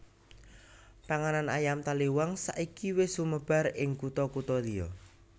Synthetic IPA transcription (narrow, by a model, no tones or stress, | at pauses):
paŋananajamt̪aliwaŋsa̰ʔikiwesuməb̥a̤ɾɪŋkut̪ɔkut̪ɔliɔ̰